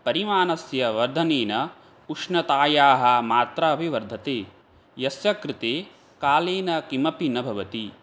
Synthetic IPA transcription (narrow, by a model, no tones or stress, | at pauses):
pɐɾimaːnɐsjɐʋɐɾd̪ʱɐneːnɐ | uʂnɐt̪aːjaːɦɐ̆maːt̪ɾɐɐpiʋɐɾd̪ʱɐt̪eː | jɐsjɐkɾɪt̪eː | kaːleːnɐkimɐpinɐbʱɐʋɐt̪i